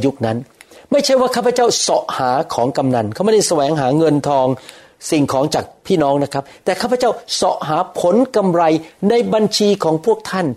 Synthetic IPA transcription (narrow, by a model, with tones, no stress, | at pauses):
ju˦˥k̚na˦˥nma˥˩jt͡ɕʰa˥˩jwaː˥˩kʰaː˥˩pʰa˧t͡ɕa˥˩wsɔ˨˩ʔhaː˩˦kʰɔː˩˦ŋka˧mna˧nkʰa˥˩ma˥˩da˥˩jsa˧wɛː˩˦ŋɦaː˩˦ŋɤ˧nt̪ʰɔː˧ŋ | si˨˩ŋkʰɔː˩˦ŋt͡ɕaː˨˩k̚pʰiː˥˩nɔː˦˥ŋna˦˥kʰɾa˦˥p̚t̪ɛː˨˩kʰaː˥˩pʰːt͡ɕa˥˩wsɔ˨˩ʔɦaː˩˦pʰo˨˦nka˧mɾa˧jna˧jba˧nt͡ɕʰiː˧kʰɔː˩˦ŋpʰu˥˩ək̚t̪ʰa˥˩n